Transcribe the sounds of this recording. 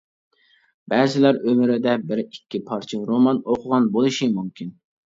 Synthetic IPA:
bɛːzɪlæɾømɪɾɪd̪ɛbɪɾikʲːipʰɑɾt͡ʃʰiɾomɑnoqʰʊʁɑnbolˠɨʃimumkʲʰin

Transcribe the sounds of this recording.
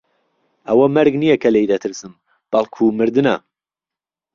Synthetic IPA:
ʔɐwɐmɐɾɡnijɐkʰɐlejd̪ɐt̪ʰɨɾsɨm | b̥ɐlˠkʰumɨɾd̪ɨnɐ

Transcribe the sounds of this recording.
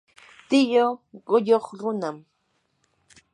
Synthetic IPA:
t̪ɪjoɢʊjoχɾʊnam

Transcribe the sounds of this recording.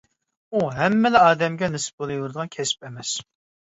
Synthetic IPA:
uɦɛmːɪlɛɑːd̪ɛmɡʲɛnɨsɨ̥p̚bolˠujuɾd̪əʁɑnkʲʰɛspɛmɛs

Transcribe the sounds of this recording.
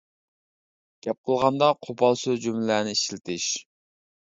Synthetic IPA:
ɡ̥ʲɛp̚qʰəlˠʁɑnd̪ɑqʰopʰɑlˠsøzd͡ʒymlɪlæːnɪiʃlɪt̪ʰɪʃ

